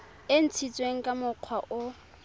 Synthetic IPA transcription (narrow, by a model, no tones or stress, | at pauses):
ɪn̩t͡sʰit͡sʼweŋ̩kʼamʊq͡χʰwaʔʊ